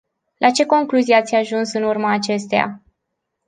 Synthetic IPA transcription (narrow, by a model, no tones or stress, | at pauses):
lʔat͡ʃe̞ko̞ŋkluziat̪sʲaʒunsɨnurməːt͡ʃe̞st̪eja̰